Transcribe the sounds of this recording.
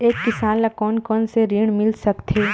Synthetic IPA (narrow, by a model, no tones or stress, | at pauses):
eːkːɪsaːnlakɔːnkɔːnseɾiːɽ̃mɪlsɐkt̪ʰeː